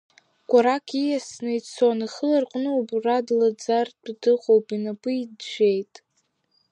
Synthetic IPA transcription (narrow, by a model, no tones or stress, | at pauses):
ɡʷʼaɾakʰijasnɨit͡sʰonɨχəlarqʷʼnɨwaburadlad͡zardʰʼdɨχʷʼowpʼinapʼɨidʒʷe̞jtʼ